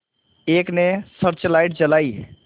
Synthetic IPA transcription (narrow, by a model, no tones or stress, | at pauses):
eknesəɾt͡ʃlajʈ̚t͡ʃəlai